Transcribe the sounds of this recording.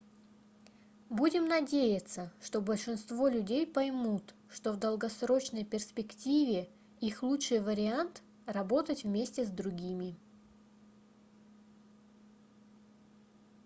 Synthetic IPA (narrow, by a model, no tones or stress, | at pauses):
budʲɪmnɐdʲejɪt̪səʂt̪o̞bəlʲʂɨnst̪vo̞lʲʉdʲejpɐjmut̪ | ʂt̪ovd̪əlˠɡɐsɾo̞t͡ɕnəjpʲɪrsʲpʲɪktʲivʲɪ | ixlˠutʂɨjvəɾʲɪant̪ | rɐbo̞t̪ətʲvmʲesʲtʲɪzd̪ɾʊɡʲimʲɪ